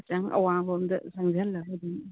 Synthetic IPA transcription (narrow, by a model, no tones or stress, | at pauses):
t͡ʃaŋɐ̰wabomdɐ̰saŋziɐlːɐɐd̪i